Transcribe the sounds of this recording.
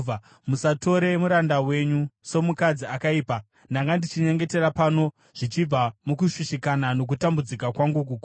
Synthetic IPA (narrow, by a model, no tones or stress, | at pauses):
musato̞ɾe̞muɾandawe̞ɲuso̞mukad͡ziakaiːpa | naŋɡandit͡ʃiɲe̞ŋɡe̞te̞ɾapano̞ | ʐ̥it͡ʃib͡vamokuʃiʃikanano̞k̬utambud͡zikakwaŋɡuk̬uku